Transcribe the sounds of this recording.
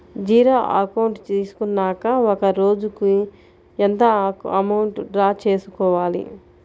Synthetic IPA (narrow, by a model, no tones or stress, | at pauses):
d͡ʒiːɾoːʔɐkɐwɳʈt͡ʃiːsu̥kunːaːkɐɔkɐɾo̞ːd͡ʒuku | ent̪ɐɐmɐwɳʈɖɾaːt͡ʃe̞ːsukɔːʋaːlḭ